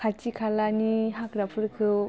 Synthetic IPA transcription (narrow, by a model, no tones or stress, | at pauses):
kʰat͡ʃikʰalaniɦakɾapʰɯɾkʰɯ